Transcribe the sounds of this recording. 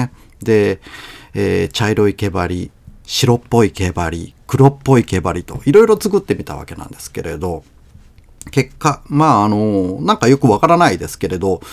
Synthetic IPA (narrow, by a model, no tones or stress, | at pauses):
e | d̪e̞ | eːt͡ɕaiɾo̞ike̞baɾʲiɕiɾo̞pːo̞ike̞baɾʲikɯ̟ɾo̞pːo̞ike̞baɾʲit̪o̞̰iɾo̞iɾo̞t͡sɨkɯ̟t̪ːe̞mʲit̪a̰βa̰ke̞nã̰nd̪̥e̞sɨ̥ke̞ɾe̞̰d̪o̞ | ke̞kːamaːno̞nãŋkajo̞kɯ̟βakaɾanaid̪e̞sɨ̥ke̞ɾe̞d̪o̞